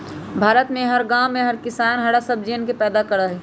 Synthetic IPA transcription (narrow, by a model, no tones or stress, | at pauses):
bʱaːɾət̪mẽɦɐɾɡãːmẽɦɐɾkɪsaːnɦɐɽasəb̚d͡ʒenkepɛːd̪akɐɾaɦɛː